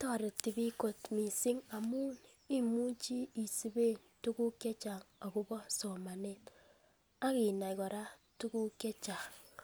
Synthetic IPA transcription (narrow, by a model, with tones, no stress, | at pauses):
tɔ˦˨ɾi˨ti˨bi˦ko˨tmi˨si˦ŋa˨mu˦n | i˦mu˦t͡ʃi˦i˨si˨be˦˨ | tu˦ku˦ke˦t͡ʃa˨ŋa˨ɡu˦bɔ˦so˨ma˨ne˦t | a˦ɣi˨na˨i˨ɡɔ˨ɾa˦ | tu˦ku˦ke˦t͡ʃa˨ŋ